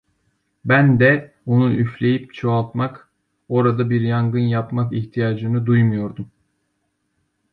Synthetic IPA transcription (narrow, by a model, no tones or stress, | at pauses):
bænd̪ɛ | o̞nuʔyflʲe̞jip̚t͡ʃʰoalˠt̪mak | o̞ɾad̪abiɾjaŋɡɯnjapmakiçt̪ʰijaːd͡ʒɯnɯd̪ujmujo̞ɾd̪um